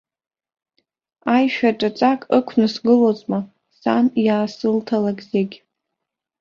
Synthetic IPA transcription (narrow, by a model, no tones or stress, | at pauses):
ajʃᶣaʈ͡ʂʼat͡sʼakʼɨkʷʰnɨsɡɨlot͡sʼma | sanjaːsɨltʰalakʼzeɡʲ